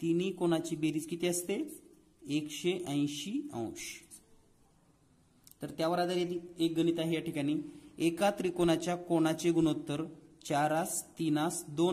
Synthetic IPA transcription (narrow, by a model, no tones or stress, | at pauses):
t̪inikoɽ̃at͡ɕibeɾiːt͡skit̪eəst̪e | ekɕeʔə̃j̃ɕiə̰̃wɕ | t̪əɾt̪jaʋəɾad̪aɾjed̪iek̚ɡənit̪aɦejaʈʰikaɽ̃iːekat̪ɾiːkoɽ̃at͡ɕjakoɽ̃at͡ɕeɡunot̪ːəɾt͡ɕaɾast̪inasd̪on